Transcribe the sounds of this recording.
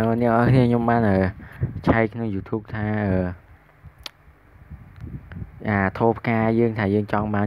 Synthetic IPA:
ənɛəŋʔɑkʰniəɲomɓaːnʔəːt͡ɕʰaɛkkʰnoŋjuːt̪ʰuːp̚t̪ʰaːʔəː | ʔaːt̪ʰoːpʰkaːjəːŋt̪ʰaːjəːŋt͡ɕɑŋɓaːn

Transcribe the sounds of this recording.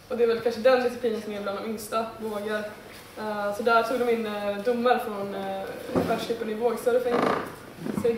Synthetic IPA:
ɔd̪ɛːɾvɛlkʰanʂəd̪ɛnvɪt̪ɪ̥pʰiːnənsɔmɛbland̪ɔmʏŋst̪avoːɡaɾ | sɔd̪æɾʈtʰuːɡd̪ɔmɪnːd̪ʊmːaɾfɾɔn | væʂʏpːənɪvoːɡst̪œɾəfɛŋ | sɔɛ

